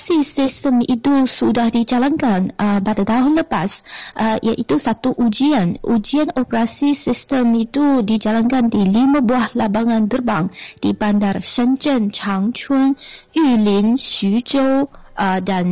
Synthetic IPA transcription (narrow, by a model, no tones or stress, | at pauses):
sisist̪əmit̪usudahdid͡ʒalankanʔəpadat̪aɦʊnləpasʔəʔḭaʔit̪usat̪uʔud͡ʒianʔud͡ʒianopəɾasisist̪əmit̪udid͡ʒalankandilimãbuahlabaŋãnd̪ərbaŋd̥ibandarʃənt͡ʃənt͡ʃaŋt͡ʃənilinsud͡ʒoʔədan